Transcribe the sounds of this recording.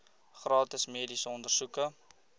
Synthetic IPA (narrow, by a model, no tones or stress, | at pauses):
χrɑːtəsmiədisəɔndərsukə